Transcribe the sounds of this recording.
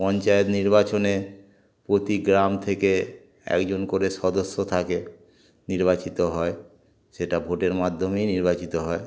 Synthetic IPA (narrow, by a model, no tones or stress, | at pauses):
pɔnt͡ɕaet̪niɾbat͡ɕone | pɾot̪iɡɾamt̪ʰeke | ɛ̰kd͡ʑonkoɾeʃɔd̪osːot̪ʰake | niɾbat͡ɕit̪oɦɔe | ʃeʈabʱoʈeɾmad̪ʱːomejniɾbat͡ɕit̪oɦɔe